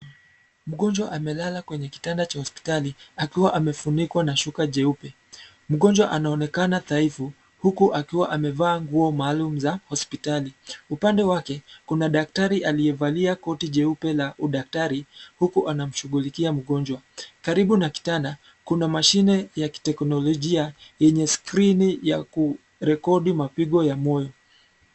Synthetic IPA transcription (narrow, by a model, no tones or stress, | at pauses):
m̩ɠɔnd͡ʒwaʔamɛlalakwɛɲɛki̥tandat͡ʃahɔspi̥taliakiwaʔamɛfunikwanaʃukaʄɛupɛ | m̩ɠɔɲd͡ʒwaʔanaɔnɛkanaθaifu | hukuʔakiwaʔamɛvaːŋɡuɔmaːlum̩zahɔspitaliupandɛwakɛkunaɗak̚taɾiʔalijɛvaliakɔtiʄɛupɛlaʔuɗak̚taɾihukuʔanam̩ʃuɣulikiam̩ɠɔnd͡ʒwa | kaɾiɓunaki̥tana | kunamaʃinɛjaki̥tɛknɔlɔʄiajɛɲɛskɾinijaku | ɾɛkɔɗimapiɠɔjamɔjɔ